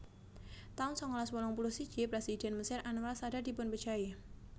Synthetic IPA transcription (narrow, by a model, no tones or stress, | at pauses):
t̪aʊnsɔŋɔlɔswɔlɔŋpulʊhsid̥d͡ʒ̥ipɾesid̥ɛnməsɪrʔanuwalsadadipʊnpə̥d͡ʒaje